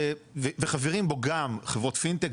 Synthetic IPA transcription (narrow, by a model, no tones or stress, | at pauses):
veveχaveʁimbo̞ɡamχevʁo̞tfint̪ek